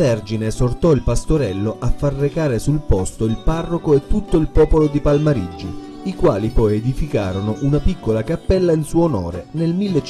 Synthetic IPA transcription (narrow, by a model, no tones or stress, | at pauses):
vɛrd͡ʒinesort̪ɔilpast̪oɾɛlːoʔafːarːekaːɾesulpɔst̪oilparːokoet̪ːut̪ːoilpɔːpolod̪ipalmaɾid͡ʒːo | ikwaːlipɔjed̪ifika̰ːɾonoʔunapikːolakapːɛlːainsuːonɔ̰ːɾḛnelmilːe